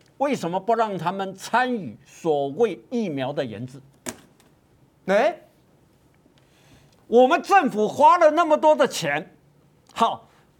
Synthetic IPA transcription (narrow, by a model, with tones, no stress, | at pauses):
we˥˩ɪʂə˧˥nmə˧pu˧˥ɻɑ˥˩ŋt̪ʰa˥mə˨nt͡sʰa˥ny˨˩˦swɔ˨˩we˥˧ɪi˥˩mjɑ˧˥ʊd̪ə˧jɛ̰˧˥nd͡zɹ̩˧˦ | ne˧˥˦ | wɔ˨˩mə˦nʈ͡ʂə˥˩ŋfu˨˩xwa˥lə˨na˥˩mə˨˩t̪wɔ˥d̪ə˨t͡ɕʰjɛ˧˥n | xɑ˧˩˦ʊ